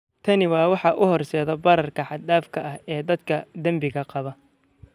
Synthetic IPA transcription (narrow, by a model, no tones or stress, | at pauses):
t̪ʰɐnɪwɑːwɑħɑʔʊhɔrsɛːðɔbɐɾɐrkʰɐħɑd̪aːfkʰɐʔɐɦɛːd̪ɐd̪kʰɐd̪ɐmbɪɣɐqɑβɐ